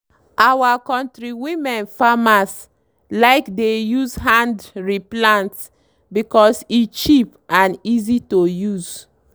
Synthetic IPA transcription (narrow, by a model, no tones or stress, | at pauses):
ʔawakɔ̃ntɹiwimɛ̃nfamas | laɪkdejuzɦãndɹiplãnts | bikɔsit͡ʃipʔãnizitojuz